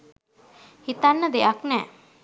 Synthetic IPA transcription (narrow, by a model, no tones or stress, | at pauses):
hit̪anːəd̪eaknɛː